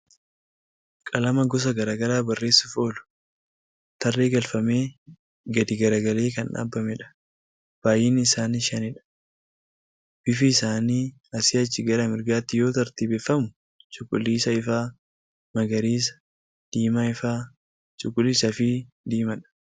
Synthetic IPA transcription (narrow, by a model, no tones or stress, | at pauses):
kʼɐlɐmɐɡɔs̬ɐɡɐɾaːɡɐɾaːbɐrːe̞ːsːɪfo̞ːlʊ̥ | t̪ɐrːe̞ːɡɐlfɐme̞ː | ɡɐd̪ɪɡɐɾɐɡɐle̞ːkɐnᶑa̰ːbːɐmɛᶑɐ̥ | b̥aːjɪnɪsaːniʃɐnɪᶑɐ̥ | b̥ɪfɪːsaːniː | ɐsɪɐt͡ʃːɪɡɐɾɐmɪɾɡaːt̪ːɪjo̞ːt̪ɐɾt̪iːbeːfːɐmʊ | t͡ʃʼʊkʼːʊlːiːsɐɪfaː | mɐɡɐɾiːs̬ɐ̥ | d̪̥iːmaɪfaː | t͡ʃʼʊkʼːʊlisɐfiː | d̪iːmɐᶑɐ̥